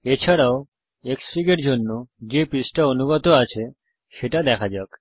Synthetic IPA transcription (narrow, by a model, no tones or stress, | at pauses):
et͡ɕʰaɽaw | eksfiɡeʈd͡ʒonːod͡ʒepisʈaonuɡɔt̪oat͡ʃʰe | ʃeʈad̪ɛkʰad͡ʒak